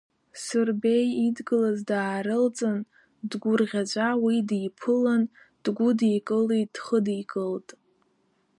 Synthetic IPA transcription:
sɨrbejidɡɨlazdaːɾɨlt͡sʼɨn | dɡʷʊrʁʲad͡ʒʷʼawidjpʰɨlan | d̥ɡʷʊdijkʼɨlid̥χədikʼɨltʼ

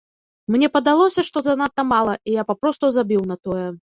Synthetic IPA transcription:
mnʲɛpɐd̪alˠɔsʲɐʂt̪ɔzɐnat̪ːɐmalˠɐijapapɾɔst̪uzabʲiwnɐt̪ɔjɛ

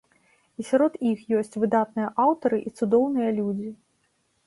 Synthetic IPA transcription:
isʲaɾɔt̪ixjɔsʲt͡sʲvɨd̪at̪̚nɨjɐʔawt̪ɐɾɨʔit̪sud̪ɔwnɨjɐlʲud͡zʲi

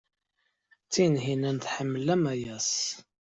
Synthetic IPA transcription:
t͡sːinɦinænθħəmːəlæmæjæs

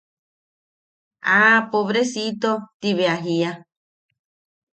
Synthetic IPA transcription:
aːpoβɾesit̪ot̪iβeaɦia

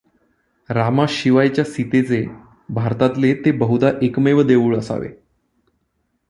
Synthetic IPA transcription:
ɾamaɕiʋajt͡ɕjasit̪et͡se | bʱaɾt̪at̪let̪ebəɦud̪aʔekmeʋəd̪eʋuːɭəsa̰ʋḛ

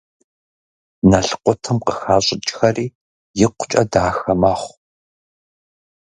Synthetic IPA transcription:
nɐɬqʷɔtʰɨmqəxaːɕʼɪt͡ʃʼxɐriː | jɪqʷʊ̥t͡ʃʼɐdaːxɐmɐχʷ

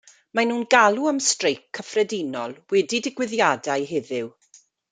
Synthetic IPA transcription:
manuːnɡalˠuəmstrejkʰːəfrɛdinɔlˠwɛdidɪɡwɪðjadajɦɪðɪw

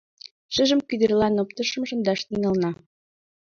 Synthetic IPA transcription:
ʃə̆ʒə̆mkyd̪ɘ̆rlɑnopt̪ɤ̆ʃɤ̆mʃə̆nd̪ɑʃt̪iŋɑlnɑ

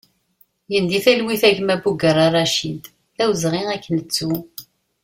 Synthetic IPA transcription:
jənd̪iθælwiθæʝmæbuɡəɾˤɑrˤːɑʃind̪ | θæwzʁiʁækːənət͡sːu

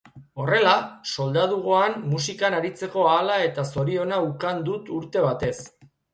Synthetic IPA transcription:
o̞re̞laso̞ld̪aðuɣ̞o̞anmusikanaɾit͡se̞ko̞aːlae̞t̪aso̞ɾio̞naukand̪ut̪uɾt̪e̞β̞at̪e̞s

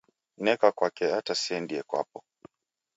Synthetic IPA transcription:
nɛkakwakɛatasiɛndiɛkwa̰pɔ

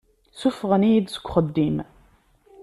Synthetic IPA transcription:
sufʁəniid̪sə̥kʷːχəd̪ːim

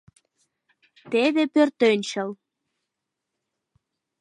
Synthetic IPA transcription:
t̪eðepørt̪ønʲt͡ɕəl

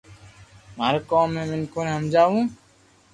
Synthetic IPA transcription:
maːɾkoːmːẽːmɪnkoːneːɦəmd͡ʒaːʋũː

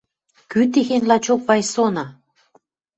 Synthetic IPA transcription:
kyt̪exenlɑt͡ɕok̚βɑjsonɑ

